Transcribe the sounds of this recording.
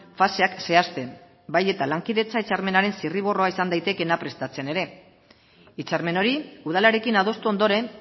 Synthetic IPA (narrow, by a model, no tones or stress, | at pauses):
fase̞akse̞ast̪e̞m | baje̞t̪alaŋkiðe̞t͡sait͡saɾme̞naɾe̞nsiriβ̞o̞roaisand̪ajt̪e̞ke̞napɾe̞st̪at͡se̞ne̞ɾe̞ | it͡saɾme̞no̞ɾiuðalaɾe̞kinað̞o̞st̪uo̞nd̪o̞ɾe̞